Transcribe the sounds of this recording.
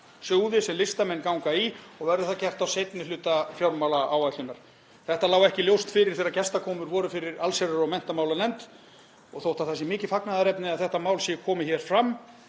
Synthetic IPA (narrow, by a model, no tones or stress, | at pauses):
sœːwðɪsɛmlɪst̪amɛnːkawŋkaiɔɣvɛɾðʏθacɛr̥t̪awsejt̪nɪlʏːt̪afjawɾmawlaaːwvajt̪lʏnaɾ̥ | θɛht̪alaːwɛhcɪljowst̪fɪɾɪɾ̥θeːɾacɛst̪akʰɔːmʏɾvɔːɾʏfɪɾɪɾalsɛɾʏɾɔmɛn̥t̪amaːwlalɛnt̪ | ɔɣθowht̪aθasːɪmɪːcɪfaknaðaɾɛpnɪaðθɛht̪amaːwlsjɛkʰɔːmɪçɛɾ̥fɾamː